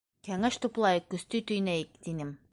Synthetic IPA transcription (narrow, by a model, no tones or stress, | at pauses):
kæŋæʃt̪uplˠɑjɤkːɵ̆st̪ɵjt̪ɵ̆jnæjɘk̚t̪inɘm